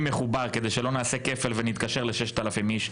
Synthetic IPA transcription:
me̞χubaʁke̞d̪e̞jʃelo̞naːse̞ke̞felvenit̪̚kaʃe̞ʁleʃeʃt̪alafimiʃ

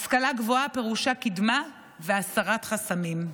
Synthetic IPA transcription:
askalaɡvoape̞ʁuʃakid̪ma | veasaʁat̪χasamim

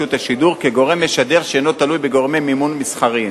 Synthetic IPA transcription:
ut̪aʃid̪uʁkeɡo̞ʁe̞mːeʃad̪e̞ʁʃeno̞t̪alujbeɡo̞ʁmemimunmisχaʁi

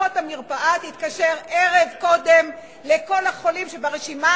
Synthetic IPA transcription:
othamiʁpaʔatit̪kaʃeʁeʁevko̞d̪em | leko̞laχo̞limʃebaʁeʃima

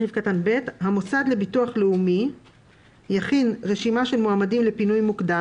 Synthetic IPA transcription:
ivkatanbe̞thamosad̪le̞bituaχleumi | jaχinʁe̞ʃimaʃe̞lmoamadimle̞pinujmukda

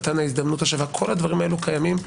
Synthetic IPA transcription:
t̪anaizd̪amnutaʃevakʰo̞lhad̪vaʁimaelukʰajamim

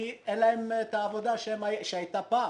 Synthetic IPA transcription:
iɛlːɐɛmt̪ɐːvɔd̪aʃɛmɐjɪʔʃɛjt̪ɐpːaː

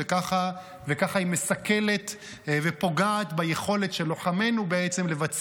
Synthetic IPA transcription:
ekaχa | vekaχaimesake̞le̞t̪ | vepo̞ɡaːt̪bajeχo̞le̞tʃe̞lo̞χame̞nubeet͡semle̞vat͡s

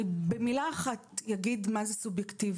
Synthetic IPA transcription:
bemilaːχat̪jaɡid̪mazesubjektiv

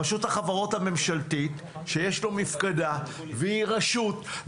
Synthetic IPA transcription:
aʃuthaχavaʁo̞t̪hame̞mʃalt̪it̪ | ʃejeʃlo̞mifkad̪a | vehiʁaʃut̪

